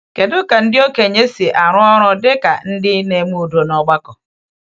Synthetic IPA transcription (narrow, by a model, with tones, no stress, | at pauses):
ke˨dʊ˦ka˨n̩˦dɪ˦o˦ke˨ɲe˦si˨ʔa˨ɾʊ̃˦ɔ˦ɾʊ̃˦dɪ˦ka̰˨n̩˦dɪ˦nẽ˨˦mũ˦˨do˨n˨ɔ˨˦ɡ͡ba˦kɔ˨